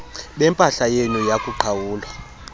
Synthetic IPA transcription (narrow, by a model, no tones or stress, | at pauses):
ɓɛmpʼaɬajenujakʼuǃʰawuːlwa